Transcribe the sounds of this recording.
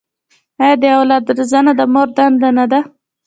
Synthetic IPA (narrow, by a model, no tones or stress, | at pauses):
ad̪əawlɑd̪ɾzanad̪əmoɾd̪and̪anad̪a